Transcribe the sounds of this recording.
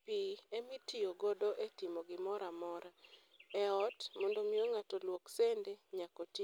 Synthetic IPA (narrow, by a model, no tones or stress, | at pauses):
piemitioɡodoʔetimoɡɪmɔɾamɔɾa | ɛɔtmɔndomioŋatolwoksendeɲakoti